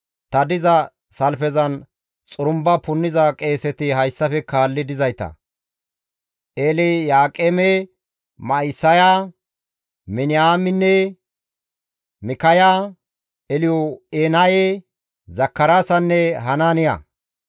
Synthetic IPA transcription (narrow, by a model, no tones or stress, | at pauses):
t̪ɐd̪ɪzɐ | sɐlfɛzɐn | t͡sʼʊɾʊmbɐpʊnːɪzɐkʼe̞ːsɛt̪ɪhɐjsːɐfɛkaːlːɪd̪ɪzɐjt̪ɐ̰ | ʔeːlɛjaːkʼeːme | mɐɪsːɐja | mɪnɪjaːmɪnːɛ | mɪkɐja | ɛlɪjɔeːnaje | zɐkːɐɾaːsɐnːɛɦɐnanɪjɐ̰